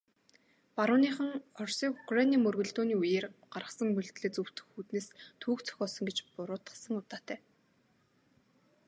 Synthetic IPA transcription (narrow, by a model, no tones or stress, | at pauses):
paɾʊːniːχə̆ŋɔrsiːkʊkraniːmɵrɣɵ̆ɮt̪oːniːujeːrɢ̥arə̆sə̆ŋmɵɮt̪ɮĕːt͡sɵw̥t̪ɘ̥̆xuːt̪neːst̪ʰuːkt͡sʰœ̥xʲɔːsə̆ŋɡet͡ɕpʊɾʊːt̪ə̥̆sə̆ŋʊt̪aːt̪æː